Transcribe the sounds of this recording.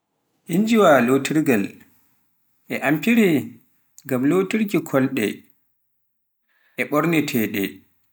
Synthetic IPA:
ʔind͡ʒiwalotiɾɡal | ʔɛʔampiɾɛ | ɡamlotiɾkikʰɔlɗɛ̰ | ʔɛɓɔɾnɛtʰɛɗɛ̰

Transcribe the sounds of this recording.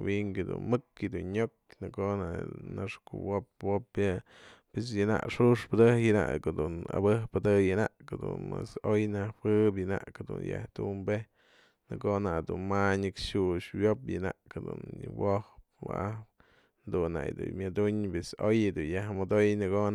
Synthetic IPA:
wiŋkɨd̪ṵnmɨkjɨd̪unɲok̚nɨkonaʔnaʂkṵwop̚wopjɨ | pes̬jɨna̰ʔʂuʂpɨd̪ɨhjɨna̰ʔkod̪una̰bɨhpɨd̪ɨjɨnaʔkɨd̪ṵnmasojnahpɨp̬jɨna̰ʔkd̪ṵnja̰ht̪umbe | nɨkonad̪unmaɲɨkʂuʂwjopjɨnaʔkd̪ṵnwohpwa̰ʔa | nd̪unːa̰ʔjd̪ṵmjad̪uɲpesojɨd̪unjahmod̪ojnɨkon

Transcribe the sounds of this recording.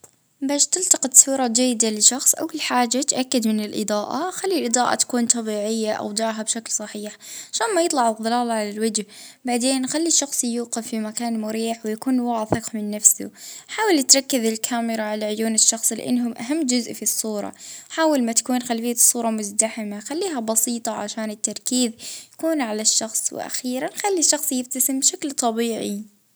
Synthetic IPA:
baːʃt̪ɪlt̪ɑqɨt̪sˤuːɾˤɑd͡ʒajːɪd̪alɪʃɑxsˤʔa̰wːalħaːd͡ʒat̪ʔakːad̪mɪnɪlʔɨ̰d̪ˤɑːʔa̰xalːilʔɨd̪ˤɑːʔa̰t̪ḁkuːnt̪ˤɑbiːʕɪjːaʔa̰wd̪ˤaːɦabʃaklsˤɑħiːħʕaʃaːnmajɨt̪ˤlɑʕɑðˤɨlaːlʕalalwɪd͡ʒhbaʕd̪eːnxalːiʃɑxsˤjuːqɪfːimakaːnmʊɾiːħwɪjakuːnwaʕθɪqmɪnːafsʊ̰ħaːwalɪt̪ɾˤɑkːɪðɪlkʰaːmɪɾaʕalaʕʊjuːnɪʃːɑxsˤlɪ̰ʔɪ̰nːɦʊmʔaɦamːd͡ʒʊzʔfisˤːuːɾˤɑ̰ħaːwalmat̪ḁkuːnxalfɪjːasˤːuːɾˤɑmʊzd̪aħɪmaxalːiːɦabɑsiːt̪ˤɑʕa̰ʃaːnɪt̪ːɑɾˤkiːðjakuːnʕalaʃːɑxsˤwɪ̰ʔa̰xiːɾanxalːiʃːɑxsˤjɪft̪asɪmbʃaklt̪ˤɑbiːʕi

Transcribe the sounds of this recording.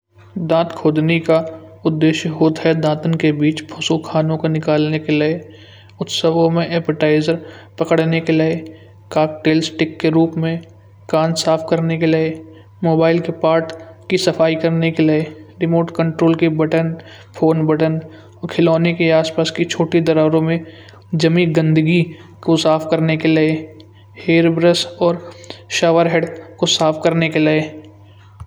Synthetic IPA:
d̪ãːt̪kʰoːd̪nika | ʊd̪ːeːʃjəɦoːt̪ɦɛd̪ãːt̪ənkebiːt͡ʃpʰʊsokʰaːnõkonɪkaːlnekelee | ʊt̪səʋõmẽʔɛːpəʈaːɪzəɾpɐkəɽnekelee | kaːk̚ʈeːlsʈɪkːeɾuːpmẽ | kãːnsaːfʰkəɾnekelee | moːbaːɪlkepaːɾʈkisɐfʰaːikɐɾnekelɪeɾɪmoːʈkə̃ɳʈɾoːlkebɐʈən | pʰoːnbɐʈən | kʰɪlɔːnekeaːspaːsket͡ʃʰoːʈed̪ɐɾaːɾõmẽ | d͡ʒɐmĩɡə̃nd̪əɡikosaːfʰkɐɾnekelɪe | heːɾbɾəsɔːɾʃaːʋəɾɦeːɖkosaːpʰkɐɾnekelɪe

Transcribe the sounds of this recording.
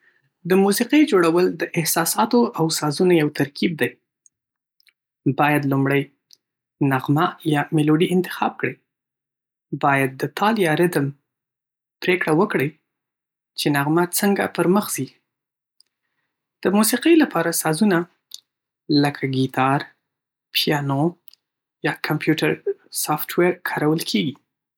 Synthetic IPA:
d̪əmusiqəjd͡ʒoɽawəld̪əʔɪhsɑsɑt̪oawsɑzunajawt̪aɾkʰib̚d̪aj | bɑjad̪lumɽəj | naɣmajɑmeloɖiɪnt̪ɪ̥xɑ̰b̚kɽəj | bɑjad̪̚ːət̪ʰɑljɑɾɪd̪əm | pɾekɽawəkɽəj | t͡ʃenaɣmat͡səŋɡa̰pəɾməxz̥i | d̪̥əmusiqəjlapɑɾasɑzuna | ləkʰaɡit̪ʰɑɾ | pijɑno | jɑkʰampjuʈaɾsɑftweɾkʰɑɾawəlkʰeɡi

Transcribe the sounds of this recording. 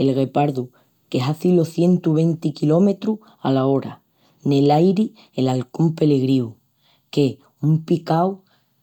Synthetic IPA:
e̞lɣe̞paɾðu | ke̞ɦaθiloθje̞nt̪uβ̞e̞nt̪ikilo̞me̞t̪ɾu | a̰lao̞ɾa | ne̞lajɾi | elalko̞mpe̞le̞ɣɾiu | ke | umpikaw

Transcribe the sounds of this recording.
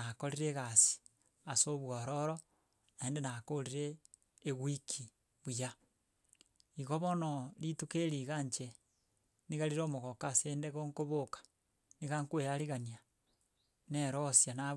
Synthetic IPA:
akoɾiɾeɣasi̥ | asoβwoɾoɾo | naeːndenakoliɾeː | ɣwikʰi | βuja | iɣoβonolitukeɾiɣaɲt͡ʃe | niɣaɾiɾomoɣokaseːndeɣoŋkoβokḁ | niɣaŋkwejaɾiɣania | neɾosjana

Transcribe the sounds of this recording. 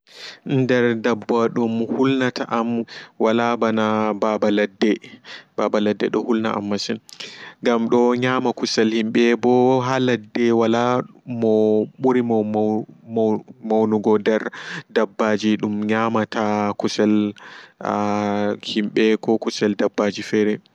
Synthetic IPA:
ndɛɾdabːaɗumhulnataʔamwalabanababaladːɛbabaladːɛ̰ɗɔhulna̰ʔa̰mːasinŋɡamɗɔɲaːmakusɛlhimɓɛbɔɦaladːɛwalamɔɓuɾimɔm | mawnuɡɔdɛɾdabːad͡ʒiɗumɲaːmatakusɛl | himɓɛkɔkusɛldabːad͡ʒifɛɾɛ

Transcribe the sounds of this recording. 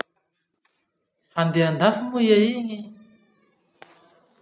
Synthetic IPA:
and̪eand̪afimujaiŋi

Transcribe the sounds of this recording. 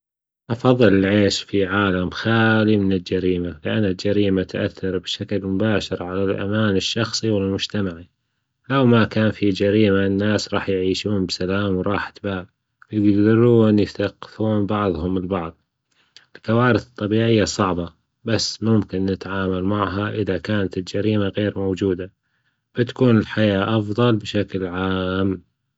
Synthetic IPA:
ʔɑfɑðˤːɨlɪlʕeːʃfiʕaːlamxaːlimɪnɪld͡ʒaɾiːmalɪʔanːald͡ʒaɾiːmat̪ʔaθːɑɾˤbʃaklmʊbaːʃɪɾʕalalʔa̰maːnɪʃːɑxsˤiwɪlmʊd͡ʒt̪amaʕi | lawmakaːnfid͡ʒaɾiːmanːaːsɾˤɑ̰ːħjʕiːʃuːnbsalaːmwɾˤɑːħḁt̪baːb | jɪɡɡd̪ɑɾuːnjɪθaqːɪ̥fuːnbɑʕðˤhʊmɪlbɑʕðˤ | ʔɪlkawaːɾɪθɨ̥t̪ˤːɑbiːʕɪjːasˤɑʕbɑ | basːmʊmkɪnːɪt̪ʕaːmalmaʕɦaʔɪðakaːnat̪ɪld͡ʒaɾiːmaɣeːɾmowd͡ʒuːd̪a | b̥ɪt̪ḁkuːnɪlħajaːʔɑfðˤɑlbɪʃaklʕaːm

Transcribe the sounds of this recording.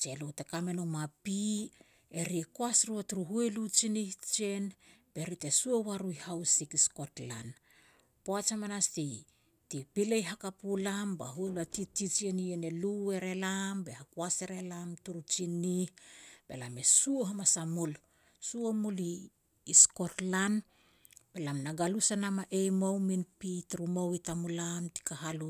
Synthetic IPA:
t͡ʃe̞lutekame̞nomapi | eɾiekoasɾuatuɾuɦuelut͡ʃiniht͡ʃe̞nb̥e̞ɾitesuowaɾuihawsikisko̞tla̰n | poat͡ʃamanastij | tipilejɦakapulamba̰ɦuelatitit͡ʃieniene̞lue̞ɾe̞lambe̞hakuase̞ɾe̞lamtuɾut͡ʃinːihb̥e̞̰lame̞suoɦamasamul | suomuliː | sko̞tlan | b̥e̞lamnaɡalusanamaʔejmowminpitɾumowitamulamti̥kaɦalu

